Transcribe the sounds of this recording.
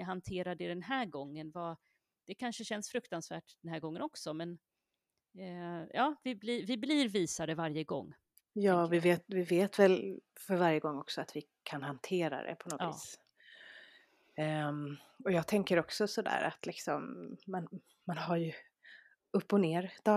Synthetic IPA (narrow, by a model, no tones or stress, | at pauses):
aɦant̪ʰeːɾad̪ɛd̪ɛnɦæːɾɡɔŋːənva | d̪̥ɛkʰanʂəɕɛnːsfɾɵkt̪ansvæ̰ːʈd̪̥ɛnɦæːɾɡɔŋːə̰nɔksɔmɛn | jɑːvɪblivɪbliɾviːsad̪ɛvaɾjəɡɔ̰ŋː | jɑːvɪveːt̪vɪveːt̪vɛlfœɾvaɾjəɡɔŋːɔksɔat̪vɪ | kʰanɦant̪ʰeːɾa̰d̪ɛ̰pʰɔnɔvḭːs | ɔjɑːɡ̚t̪ʰɛŋkəɾɔksɔsɔd̪æ̰ːɾa̰t̪lɪksɔmːan | manhaɾjɵ | ɵpːɔneːɾd̪̥ɑ